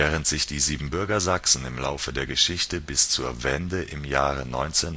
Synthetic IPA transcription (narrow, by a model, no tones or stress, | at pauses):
ɛːʁəntz̥ɪçd̥iːziːbm̩bʏɐɡɐzaksn̩ɪmlaʊfədeːɐɡəʃɪçtəbɪst͡suːɐvɛndəʔɪmjaːʁənɔ̰ʏnt͡sen